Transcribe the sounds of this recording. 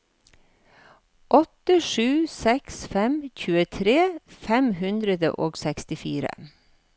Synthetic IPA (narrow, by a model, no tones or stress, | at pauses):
ʔɔt̪əʂʉːsɛksfɛmçʉːət̪ʰɾeːfɛmhʉnd̪ɾəd̪ə̰ʔoːɡsɛkst̪ɪfiːɾə̰